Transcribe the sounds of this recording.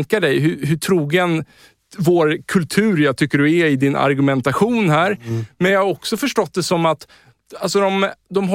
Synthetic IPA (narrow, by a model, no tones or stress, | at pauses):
ŋkaɖɛjɦɵɦɵʈʰɾuːɡən | voːɾkʰɵlt̪ʰʉ̟ːɾjaːɡt̪ʰʏkːəɖɵɛɾɪd̪ɪnʔa̰ɾɡɵmɛnt̪aɧuːnhæːɾmɛnjaːhaɾɔksɔfœʂʈɔt̪̚ːd̪ɛsɔmat̪ | alsɔd̪ɔmd̪ɔmɦɔ